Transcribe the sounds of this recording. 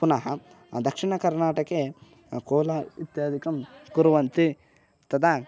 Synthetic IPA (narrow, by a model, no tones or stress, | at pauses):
punɐɦɐ | d̪ɐkʂiɳɐkɐɾnaːʈɐke | koːlɐit̪jaːd̪ʱikɐmkuɾuʋɐnt̪i | t̪ɐd̪a